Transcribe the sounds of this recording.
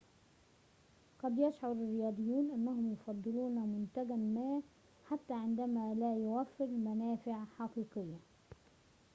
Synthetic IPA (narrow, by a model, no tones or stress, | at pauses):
qɑd̪jaʃʕʊɾɪrːɪjɑːd̪ˤɨjːuːnʔɪnːaɦʊmjʊfɑd̪ˤːɨluːnamʊnt̪aɡamaː | ħat̪ːaʕɪnd̪amalaːjʊwafːɪɾlmanaːfɪʕħɑqiːqɨjːa